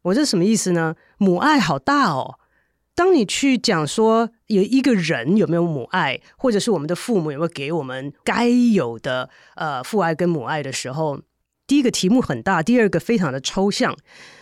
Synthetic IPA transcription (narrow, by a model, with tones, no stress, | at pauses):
wɔ˨˩t͡ɕə˧ʂə˧˦mə˦i˥˩sɹ̩˩nə˩ | mu˨˩ʔa˥˩ɪxɑ˨˩ʊt̪a˥˩ɔ̰˨˩ | t̪ɑ˥ŋni˨˩t͡ɕʰy˥˩t͡ɕjɑ˨˩ŋʂwɔ˥ | jo˨˩ʊi˧˥ɡə˨ɻə˧˥njo˨˩me˧˥ɪjo˧ʊmṵ˨˩ʔa˥˩ɪ | xwɔ˥˩ʈ͡ʂɤ˨˩ʂɻ̩˥˩wɔ˨˩mə˦nd̪ə˧fu˥˧mu˨˩jo˨˩xe˥˩ke˧˥ɪwɔ˨˩mə˦nka˥ɪjo˨˩ʊd̪ə˦ | ə˧fu˥˧a˥˩ɪkə˦˥nmu˨˩a˥˩ɪɾə˩ʂɻ̩˧˥xo˥˧ʊ | t̪i˥˩i˥ɡə˨t̪ʰi˧˥mu˥˩xə˨˩nt̪a˥˩t̪i˥˧ə˞˥˩ɡə˩fe˥ɪʈ͡ʂʰɑ˧˥ŋd̪ə˧ʈ͡ʂʰo˥ʊɕjɑ˥˩ŋ